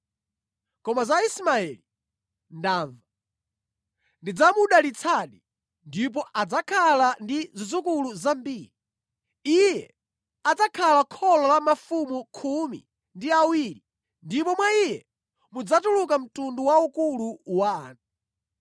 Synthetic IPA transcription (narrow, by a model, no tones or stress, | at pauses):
kɔmazaismaɛli | ndaːɱva | ndid͡zamuɗalit͡sʰaɗi | ndip̬ɔʔad͡zakʰalandizizukuluzambiːɾi | ijɛ | ad͡zakʰalakʰɔlɔlamafumukʰumḭ | ndiawiɾi | ndipɔmwaijɛ | mud͡zatulukam̩tunduwaukuluwa̰ːnu